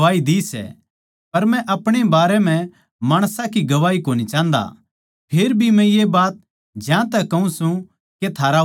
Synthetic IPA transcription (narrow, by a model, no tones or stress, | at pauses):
aːid̪isɛ̰ | pɐɾmɛ̃ʔɐpɽ̃ebaːɾɛm̤ɛ̃ | maːɽ̃sãkiɡɐʋaːikoːnit͡ʃãːnd̪a̰ | pʰeːɾbʱimɛ̃jebaːt̪̚ | d͡ʒãt̪ɛkɐũsũ | ket̪ʰaːɾa